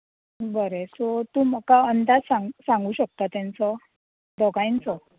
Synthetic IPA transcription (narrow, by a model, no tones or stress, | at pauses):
bəɾesɔt̪uːmakaənd̪ad͡zsaŋɡsãŋɡuːɕək̚t̪at̪jant͡sɔ | d̪ɔɡajnt͡sɔ